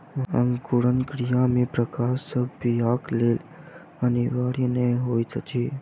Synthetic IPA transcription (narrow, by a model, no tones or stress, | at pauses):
ə̃ŋkuɽənkɾijãmẽpɾəkaːsəbpijakleːl | əniʋaːɽineɦoːjsʰət͡ʃʰe